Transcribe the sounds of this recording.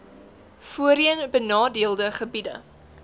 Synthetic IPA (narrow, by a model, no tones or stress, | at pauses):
fuəɾiənbənɑːdiəlˠdəχəbidə̰